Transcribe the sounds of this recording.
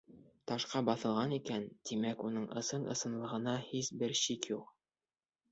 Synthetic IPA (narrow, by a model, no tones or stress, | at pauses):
t̪ɑʃqɑbɑθɤ̆lˠʁɑnikænt̪imækunɤɴʔɤ̰̆sɤnɤ̰̆sɤ̆nlˠɤ̆ʁɤ̆nɑhisbɘɾɕikjuq